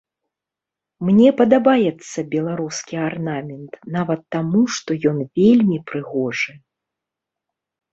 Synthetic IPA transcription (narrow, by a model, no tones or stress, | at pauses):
mnʲɛpɐd̪abajɛt̪sːɐbʲɛlˠaɾuskʲiarnamʲɛnt̪navɐt̪ːamuʂt̪ɔjɔnvʲelʲmʲipɾɨɣɔʐɨ